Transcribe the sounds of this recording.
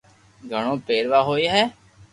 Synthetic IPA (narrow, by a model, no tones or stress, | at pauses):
ɡʱəɳ̃õːpeːɾʋaːɦoːiːɦɛː